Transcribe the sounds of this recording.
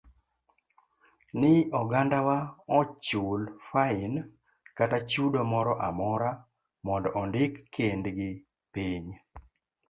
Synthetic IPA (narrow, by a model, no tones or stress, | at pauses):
nɪɔɡandawaɔt͡ʃulfain | katat͡ʃudomɔɾɔʔamɔɾa | mɔndɔʔɔndɪkʰːendɡɪ | piɲ